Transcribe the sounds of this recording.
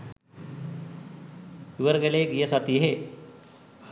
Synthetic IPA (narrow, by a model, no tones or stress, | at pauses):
uʋəɾɡeleːɡijəsat̪iɦe